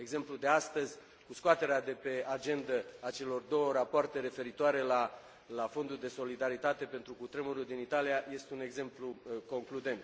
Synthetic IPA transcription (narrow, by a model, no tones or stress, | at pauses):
e̞ɡze̞mplud̪east̪əzʲ | kuskoat̪e̞ɾead̪e̞pe̞ad͡ʒe̞nd̪əat͡ʃe̞lo̞rd̪o̞wəɾapoart̪e̞ɾe̞fe̞ɾit̪oaɾe̞la | lafo̞nd̪uld̪e̞so̞lid̪aɾit̪at̪e̞pe̞nt̪ɾukut̪ɾemuɾuld̪init̪alijaje̞st̪eune̞ɡze̞mpluko̞ŋklud̪e̞nt̪